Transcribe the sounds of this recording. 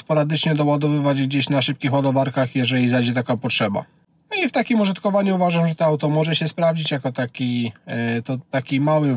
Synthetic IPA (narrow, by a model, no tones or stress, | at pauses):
spɔɾad̪ɘt͡ʂɲɛd̪ɔwad̪ɔvɘvad͡ʑɡd͡ʑeɕnaʂɘp̚kʲixwad̪ɔvaɾkaxjɛʐɛlʲizajd͡ʑɛt̪akapɔtʂɛba̰ | nɔift̪akʲimuʐɨt̪kɔvaɲuuvaʐamʐɛt̪ɛawt̪ɔmɔʐɛɕɛspɾavd͡ʑit͡ɕjakɔt̪akʲi | t̪ɔt̪akʲimawɘ